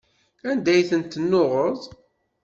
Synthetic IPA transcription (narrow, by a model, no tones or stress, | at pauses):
ænd̪æjθənt̪ːnːoʁəðˤ